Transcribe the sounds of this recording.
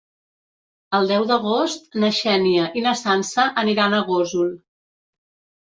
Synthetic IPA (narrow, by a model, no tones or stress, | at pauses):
əlˠd̪ɛwd̪əɣost̪̚nəʃɛniəʔinəsansəʔəniɾanəɣozulˠ